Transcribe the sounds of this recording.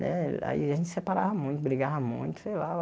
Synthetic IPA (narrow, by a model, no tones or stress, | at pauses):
nɛ̰a̰ḭʒẽnt͡ʃɪsepaɾavɐmũj̃t̪ʊbɾiɡavɐmũj̃t̪ʊ̥sejla